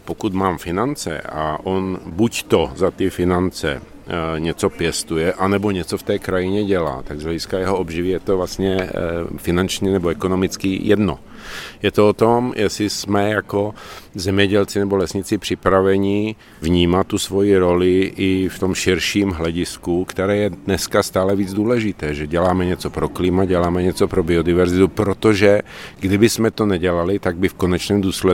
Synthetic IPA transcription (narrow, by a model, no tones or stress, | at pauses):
pokut̪maːmfɪnant͡sɛ̰a̰ʔonbuct̪ozat̪ɪfɪnant͡sɛ̰ | ɲɛt͡sopjɛst̪ujɛʔanɛboɲɛt͡soft̪ɛːkɾajɪɲɛɟɛla̰ːt̪aɡzlɛɟɪskajɛɦoʔobʒɪvijɛt̪ovlast̪ɲɛfɪnant͡ʃɲɛnɛboɛkonomɪt͡skijɛd̪no̰ | jɛt̪oot̪omjʔɛsɪsmɛjakozɛmɲɛɟɛlt͡sɪnɛbolɛsɲɪt͡sɪpr̥ɪpɾavɛɲɪ | vɲiːmat̪ːusvo̞jiɾo̞lɪʔɪft̪o̞mʃɪɾʃiːmɦlɛɟɪskukt̪ɛɾɛːjɛdnɛskast̪aːlɛviːd͡zd̪uːlɛʒɪt̪ɛːʒɛɟɛlaːmɛɲɛt͡sopɾoklɪmaɟɛlaːmɛɲɛt͡sopɾobɪodɪvɛɾzɪt̪upɾot̪oʒɛɡdɪbɪsmɛt̪onɛɟɛlalɪt̪aɡ̚bɪfkonɛt͡ʃnɛːmd̪uːslɛ